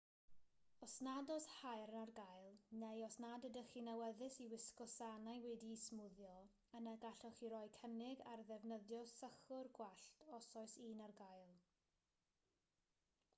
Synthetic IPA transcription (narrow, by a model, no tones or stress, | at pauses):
ɔsnadɔshajrnarɡajlˠnejɔsnadədəχinawəðɪsiwɪskɔsanajwɛdismʊðjɔ | ənaɡaɬɔχiɾɔjkʰənɪɡarðɛvnəðjɔsəχʊrɡwaɬtʰɔsɔɨsiːnarɡajlˠ